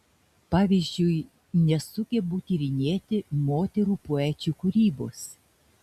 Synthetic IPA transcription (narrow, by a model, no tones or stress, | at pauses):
pɑːʋʲizʲd͡ʒʲʊɪ | nʲɛsʊkʲebuːt̪ʲiɾʲɪnʲeːt̪ʲɪmoːt̪ʲɛɾuːpoæːt͡ʃʲuːkʊɾʲiːboːs